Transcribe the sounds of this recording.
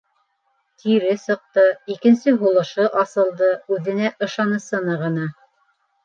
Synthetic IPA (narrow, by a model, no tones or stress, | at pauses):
t̪ʰiɾɘsɤ̆q̚t̪ɤikɘ̆nsɘɦulˠɤ̆ʃɤʔɑsɤ̆lˠd̪ɤʉðɘ̆næʔɤ̆ʃɑnɤ̆sɤ̆nɑʁɤ̆nɑ